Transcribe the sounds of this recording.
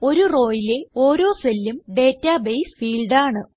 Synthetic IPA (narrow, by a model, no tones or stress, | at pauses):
o̞ɾuro̞ːjile̞o̞ːɾo̞ːselːumɖe̞ːtːaːbejsfiːɭɖaːɳɨ